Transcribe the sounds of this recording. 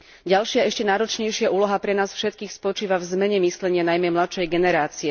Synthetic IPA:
ɟalʃɪaɛʃcɛnaːɾɔt͡ʃɲɛjʃɪaʔuːlɔɦapɾɛnaːsfʃɛt̪kiːxspɔt͡ʃiːʋavzmɛɲɛmislɛɲɪanajmɛmlat̪ʃɛjɡɛnɛɾaːt͡siɛ

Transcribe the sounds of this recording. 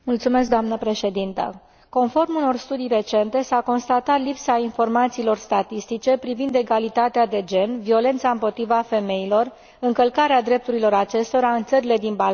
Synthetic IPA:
mult̪sume̞s̬k̚d̪oamnəpɾe̞ʃe̞d̪int̪ə̰ | ko̞nfo̞rmuno̞rst̪ud̪ijre̞t͡ʃe̞nt̪e̞sako̞nst̪at̪at̪lipsainfo̞rmat̪siːlo̞rst̪at̪ist̪it͡ʃe̞pɾivind̪e̞ɡalit̪at̪ead̪e̞d͡ʒe̞nvio̞le̞nt̪saɨmpo̞t̪ɾivafe̞me̞ilo̞r | ɨŋkəlkaɾead̪ɾe̞p̚t̪uɾilo̞ɾat͡ʃe̞st̪o̞ɾaɨnt̪səɾile̞d̪inba

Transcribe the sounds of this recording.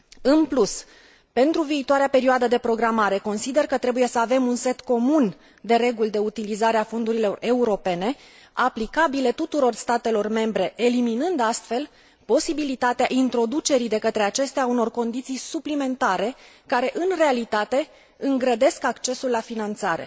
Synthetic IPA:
ɨnplus | pe̞nt̪ɾuviːt̪oaɾeape̞ɾioad̪əd̪e̞pɾo̞ɡɾamaɾe̞ko̞nsid̪e̞rkət̪ɾe̞buje̞səave̞munse̞t̪ko̞mun | d̪e̞ɾe̞ɡuld̪e̞ut̪ilizaɾeafo̞nd̪uɾilo̞re̞uɾo̞pe̞ne̞ | aplikabile̞t̪ut̪uɾo̞rst̪at̪e̞lo̞rme̞mbɾe̞eliminɨnd̪ast̪fe̞l | po̞sibilit̪at̪eaʔint̪ɾo̞d̪ut͡ʃe̞ɾid̪e̞kət̪ɾe̞at͡ʃe̞st̪eauno̞rko̞nd̪it̪sijsuplime̞nt̪aɾe̞kaɾe̞ʔɨnre̞alit̪at̪e̞ | ɨŋɡɾəd̪e̞skakt͡ʃe̞sulːafinant̪saɾe̞̰

